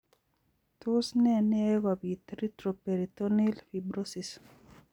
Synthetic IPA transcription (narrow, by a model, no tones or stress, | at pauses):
t̪usnɛneɣabit̪ɾit̪ɾopeɾit̪onilfibɾosis